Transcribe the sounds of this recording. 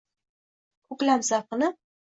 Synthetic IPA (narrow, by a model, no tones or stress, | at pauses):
ʊklamsaqɨnɪ